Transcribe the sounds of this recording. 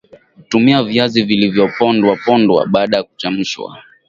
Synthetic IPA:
utumiaviazivilivjɔpɔndwapɔndwa̰ɓaːɗajakut͡ʃam̩ʃwa̰

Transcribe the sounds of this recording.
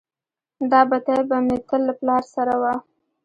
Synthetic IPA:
d̪ɑbat̪abamɪɾkəlːaplɑɾsaɾawa

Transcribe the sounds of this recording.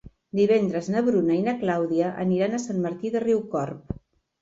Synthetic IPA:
d̪iβ̞ɛnd̪ɾəznəβɾunəinəklawðiəʔə̰niɾanəsanməɾt̪iðəriwkɔrp

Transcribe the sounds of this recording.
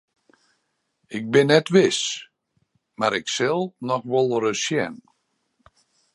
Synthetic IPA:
ɪk̚bɪnːɛtʋɪs | maɾɪksɪlˠnɔxʋɔlˠrəsjɛn

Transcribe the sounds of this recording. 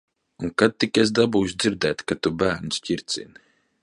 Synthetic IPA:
uŋkad̪̚t̪ːikɛs̬d̪abuːʃd̪ziɾd̪ɛːt̪kat̪ubæːɾnʲsciɾt̪sʲḭn

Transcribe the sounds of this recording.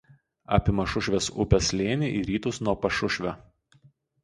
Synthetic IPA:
ɑ̰ːpʲɪmɐʃʊʃʲʋʲɛsʊ̰pʲɛslʲeːnʲɪʔiːɾʲiːt̪ʊsnuɔpɐʃʊʃʲʋʲo

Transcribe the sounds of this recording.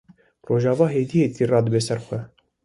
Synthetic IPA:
roːʒɑːvɑːɦeːd̪ijeːt̪ʰirɑːd̪əbeːsɛɾxʷɛ

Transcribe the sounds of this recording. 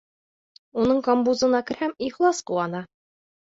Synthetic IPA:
unɤɴkombuzɤ̆nɑkɘ̆ɾhæmiχlˠɑsquwɑnɑ

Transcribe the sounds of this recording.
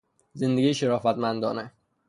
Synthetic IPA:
zend̪eɡiːjʃeɾɒːfæt̪mænd̪ɒːne

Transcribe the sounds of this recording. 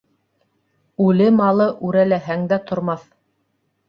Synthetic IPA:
ʉlɘmɑlˠɤʔʉɾælæɦæŋd̪æt̪ŏɾmɑθ

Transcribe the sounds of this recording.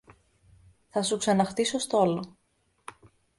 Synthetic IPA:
θɐsuksɐnɐxt̪iso̞st̪olo

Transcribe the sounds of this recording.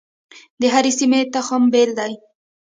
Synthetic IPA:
d̪əɦaɾesimet̪axambeld̪aj

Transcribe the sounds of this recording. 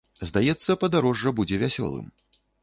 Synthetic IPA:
zd̪ajɛt̪sːɐpɐd̪aɾɔʐːɐbud͡zʲɛvʲasʲɔ̰lˠɨ̰m

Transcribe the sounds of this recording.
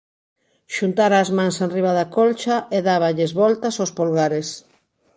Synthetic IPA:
ʃunt̪aɾaːzmãŋsenriβ̞aðakolt͡ʃaʔeðaβaʎɪzβɔlt̪asowspolɣaɾes

